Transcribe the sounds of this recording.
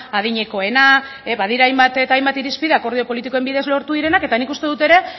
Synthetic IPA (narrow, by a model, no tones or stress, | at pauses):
aðiɲe̞ko̞e̞na | eβað̞iɾaːjmbat̪et̪ajmbat̪iɾispiðeako̞ɾðio̞po̞lit̪iko̞e̞mbiðe̞zlo̞ɾt̪uðiɾe̞nake̞t̪anikust̪e̞ð̞ut̪e̞ɾe̞